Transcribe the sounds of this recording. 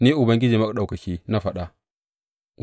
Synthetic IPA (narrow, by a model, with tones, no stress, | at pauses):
ni˦ʔʊ˨bɐ˦ŋɡʲɪ˦d͡ʒiː˨ma˦kɗa˨wka˨kʲi˦na˦ɸa˨ɗa˨